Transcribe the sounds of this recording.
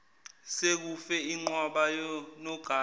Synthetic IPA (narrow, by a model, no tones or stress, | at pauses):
sek̬ufɛiŋ͡ǃwaɓajɔnɔɡ̥ʱaː